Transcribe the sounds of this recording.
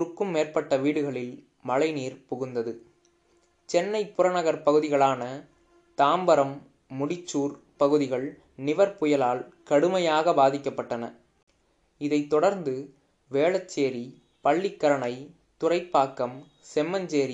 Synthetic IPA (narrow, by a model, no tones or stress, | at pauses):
ʊɾɯkːɯmːeːrpɐʈːɐʋiːɽɯɣɐɭɪl | mɐɭɐɪniːɾpʊɣɯnd̪ɐðɯ | t͡ʃɛnːɐɪpʊɾɐnɐɣɐɾpɐɣɯðɪɣɐɭaːnɐ | t̪aːmbɐɾɐmː | ʊɽɪt͡ʃːuːɾ | pɐɣɯðɪɣɐɭ | nɪʋɐɾpʊjɐlaːlkɐɽɯmɐjaːɣɐbaːðɪkːɐpːɐʈːɐnɐ̰ | ɪðɐɪt̪ːɔɽɐɾnd̪ɯ | ʋeːɭɐt͡ʃːeːɾi | pɐɭːɪkːɐɾɐɳɐɪ | t̪ʊrɐɪpːaːkːɐm | sɛmːɐnd͡ʒeːɾi